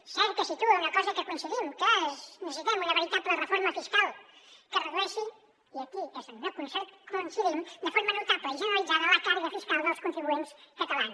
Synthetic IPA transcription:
sɛɾkəsit̪uəunɐkɔzəkəkunsəðimkəɛznəsit̪ɛmuðəβəɾit̪at̪̚əɾlərəfoɾməfiskalˠkərəɣɾɛsi | iəkiezəmɛwkunsɛjt̪kounsəðimd̪əfoɾmənuwt̪apəiʒənəɾɐlˠid͡zaðələkaɾiðəfiskalˠðəlˠskunt̪ɾiβuenskət̪alan

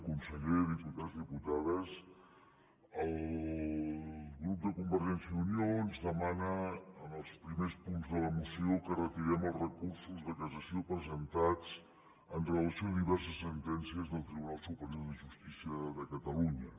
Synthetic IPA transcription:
kunsəʎeðiput̪azðiput̪aðəs | əlˠ | ɣɾup̚d̪əkumbəɾʒɛnsjəðunioənzðəmanəənəlˠspɾimespunzðələmusiokərət̪iɾɛməlˠzrəkuɾsuzðəkəzəsiopɾəzənt̪ad͡z | ənrələsioðiβɛrsəsːənt̪ɛnsiəzðəlˠt̪ɾiβunalˠsupəɾioðəʒust̪isiəðəkət̪əluɲə

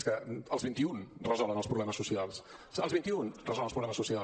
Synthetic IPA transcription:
skəəlzβint̪iunrəzɔlˠənəlˠspɾuβlɛməsusialˠsəlˠzβint̪iunrəzɔlˠənlˠpɾuβlɛməsusia

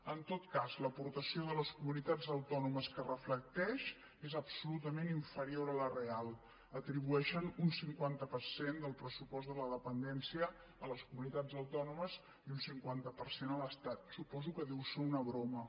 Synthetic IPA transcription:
ənt̪ot̪kazləpuɾt̪əsioðələskumunit̪ad͡zəwt̪ɔnuməskərəflək̚t̪ɛʃ | ezəbsulut̪əmeniɱfəɾioɾələrealˠ | ət̪ɾiβuɛʃənunsiŋkwant̪əpəɾsend̪əlˠpɾəsupɔzt̪ələðəpənd̪ɛnsiəː | ləskumunit̪ad͡zəwt̪ɔnuməz | iunsiŋkwant̪əpəɾsenələst̪at̪supɔzukəðiwsəunəβɾomə

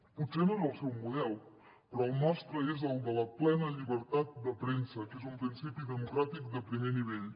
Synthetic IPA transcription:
usenədəlˠsɛwmuðɛlˠ | pɾɔːlˠmɔst̪ɾəezəlˠd̪ələplɛnəʎiβəɾt̪at̪̚d̪əpɾensəkezumpɾinsipid̪əmukɾat̪ik̚d̪əpɾimeniβɛʎ

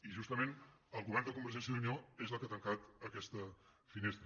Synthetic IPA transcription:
iʒust̪əmenəlˠɣuβɛrnd̪əkumbərʒɛnsjəðunioezəlˠkat̪əŋkat̪əkɛst̪ə | finest̪ɾə

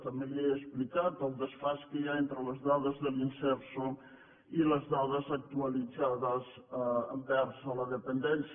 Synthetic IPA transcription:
t̪əmbeeəsplikat̪əlˠd̪əsfaskəjaent̪ɾələzðaðəzðəlinsɛɾso | iləzðaðəzək̚t̪uəlid͡zaðəs | bɛɾsələðəpənd̪ɛns

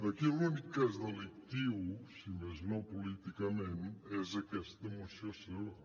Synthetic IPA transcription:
d̪ɐkelˠuunikukazuðɐlˠik̚t̪ivusimɐznɐ̃w̃pulˠit̪ikɐmẽnt̪ɛzɐkɛst̪ðɐmũʃt̪ɾɐsɐ̃w

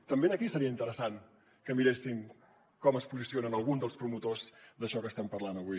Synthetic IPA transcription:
t̪əmbenəkisəɾiəint̪əɾəsan | kəmiɾesin | kɔməspuzisionənəlˠɣund̪əlˠspɾumut̪ozd̪əʃɔkəst̪ɛmpərlanəβuj

